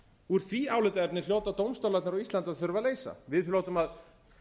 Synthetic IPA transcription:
uɾ̥θviaːwlɪt̪aɛɾp̚nɪljoːwt̪at̪owmst̪awlat̪naɾɔwist̪ant̪aðθʏɾvaleːjsa̰vɪðloːwt̪ʏmað

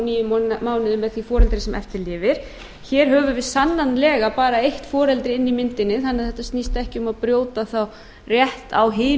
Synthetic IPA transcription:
niːjʏmmaːwnɪðʏmɛðθifɔːɾɛlt̪ɾɪsɛmʔɛ̰ft̪ɪɾlɪːvɪɾ̥ | çɛːɾ̥ɦœːvʏɾvɪðsanːanlɛːɣapaːɾaejht̪fɔːɾɛlt̪ɾɪɪnːimɪnt̪ɪnːɪθanːɪðθɛht̪ast̪nist̪aɛhcɪʏmaðpɾjoːwt̪aθaw | rjɛht̪awɦɪː

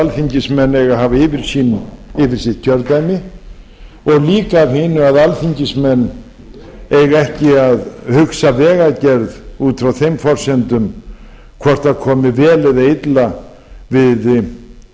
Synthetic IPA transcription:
alfiɲcɪsmɛnːɛɣaɦaːvaɪːvɪɾ̥siːnɪvɪɾ̥sɪhtcʰœɾt̪ajmɪ | ɔɣliːkaːvhɪnːʏaðalfiɲcɪsmɛnː | ejɣɛhcɪaðhʏksavɛːɣacɛɾðuːt̪ɾawθejmfɔr̥sɛnt̪ʏm | kʰvɔr̥t̪aðkʰɔːmɪvɛːlɛðaɪt̪la | vɪð

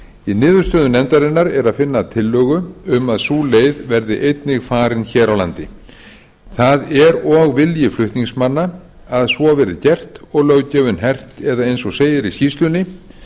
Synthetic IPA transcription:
inɪːðʏɾ̥st̪œːðʏnɛnt̪aɾɪnːaɾɛɾaðfɪnːat̪ʰɪlːœːɣʏʏmaðsuːlejðvɛɾðɪ̰ʔejt̪nɪɣfaːɾɪnçɛːɾawlant̪ɪ | θaðɛɾɔɣvɪljɪflʏht̪niŋsmanːa | aðsvɔavɛːɾɪcɛr̥t̪ɔɣlœɣcɛːvʏnɦɛr̥t̪ɛðaejnsɔɣseːjɪɾiscist̪lʏnːɪ

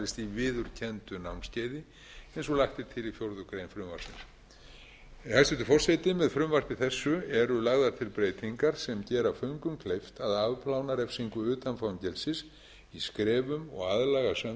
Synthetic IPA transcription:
ɪst̪ivɪːðʏɾ̥cʰɛnt̪ʏnawnscaːjðɪ | ejns̬ɔlaht̪ɪt̪ʰɪlifjowɾðʏkɾejnfɾʏmva̰ɾ̥sɪ̰ns | hajsɛt̪ʏfɔr̥sɛjt̪ɪmɛðfɾʏmvar̥t̪ɪθɛsːʏɛɾʏlaɣðaɾ̥t̪ʰɪlpɾeːjt̪ʰiŋkaɾ̥sɛmcɛːɾafœɥŋkʏmkʰlejft̪aðavpʰlawnaɾɛfsiŋkʏʏːt̪anfawɲcɛlsɪs | iskɾɛːvʏmɔ̰ɣaðlaɣasa

